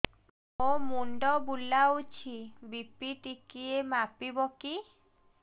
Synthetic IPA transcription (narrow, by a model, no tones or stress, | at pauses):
omuɳɖɔbulːawt͡ɕʰibipːiʈikiemapiboki